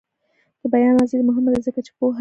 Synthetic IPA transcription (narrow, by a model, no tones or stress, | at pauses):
d̪̥əbajɑnɑzid̪mʊɦɪmd̪azəkat͡ʃe̥poɦa